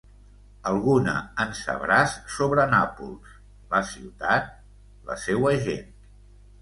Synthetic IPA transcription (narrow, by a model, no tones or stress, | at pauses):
əlˠɣunə̰ənsə̰βɾasːoβɾənapulˠs | ləsiwt̪at̪̚ | lə̰sewəʒḛn